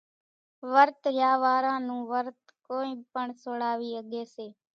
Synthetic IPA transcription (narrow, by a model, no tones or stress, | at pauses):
ʋəɾt̪ɾjaːʋaːɾãːnũːʋəɾt̪koːĩːpəɳsoːɽaːʋiːəɠeːseː